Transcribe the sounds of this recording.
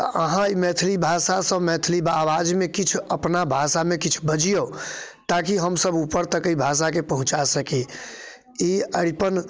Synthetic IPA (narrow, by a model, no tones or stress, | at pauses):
əɦãimɛt̪ʰlibʱasasə̃mɛːt̪ʰlibaːwaːd͡ʒmẽkɪt͡ʃʰəpnabʱasamẽkɪt͡ʃʰbəd͡ʒijo | t̪ak̬iɦəmsəbupəɾt̪əkibʱaːs̬akepəɦʊ̃t͡ʃasəki | iəɽipən